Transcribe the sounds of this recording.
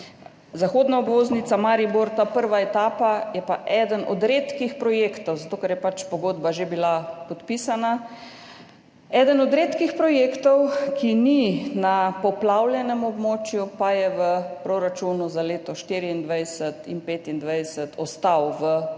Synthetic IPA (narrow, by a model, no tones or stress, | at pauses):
zaxoːd̪naɔbʋoːznit̪samaːɾiboɾt̪apəɾʋaɛt̪aːpajɛpaʔɛːd̪ənɔd̪ɾet̪kixpɾɔjeːkt̪ɔwzat̪oːkɛɾjɛpat͡ʃpɔɡoːd̪baʒebilapɔt̪pisana | ɛːd̪ənɔd̪ɾeːt̪kixpɾɔjekt̪ɔwkʰininapɔplawljɛnɛmɔbmoːt͡ʃjupajɛʋəpɾoɾat͡ʃunuzaleːt̪ɔʃt̪iːɾiind̪ʋajsət̪ḭnpeːt̪ind̪ʋajsət̪ʰɔst̪awʋə